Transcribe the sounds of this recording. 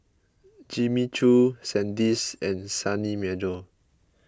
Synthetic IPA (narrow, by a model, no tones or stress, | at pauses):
d͡ʒimit͡ʃʰusɛ̃ndisɛ̃nsanimɛdo